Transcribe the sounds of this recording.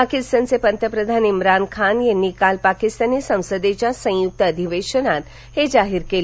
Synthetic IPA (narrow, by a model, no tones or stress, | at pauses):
pakist̪ant͡sepənt̪əpɾəd̪ʱanimɾankʰanjenːikalpakist̪anisə̃w̃səd̪et͡ɕjasə̃juk̚t̪əːd̪ʱiʋeʃənat̪ | hed͡zaɦiɾkel